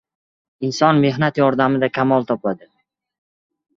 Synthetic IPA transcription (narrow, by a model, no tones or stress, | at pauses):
ɪnsɒnme̞ɦnat̪jɒɾd̪amɪd̪akʲʰamɒlˠt̪ʰɒplad̪ɪ